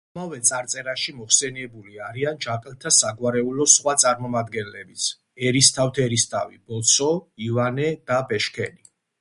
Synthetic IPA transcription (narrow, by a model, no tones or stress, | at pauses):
amavɛt̪sʼaɾt̪sʼɛɾaʃimɔχsɛniɛbuliaɾiand͡ʒaqʼɛlˠt̪ʰasaɡwaɾɛulɔsχwat̪sʼaɾmɔmad̪ɡɛnlɛbit̪sʰ | ɛɾist̪ʰaft̪ʰɛɾist̪ʰʼavib̥ɔsʰɔivanɛd̪̥abɛʃkʰɛni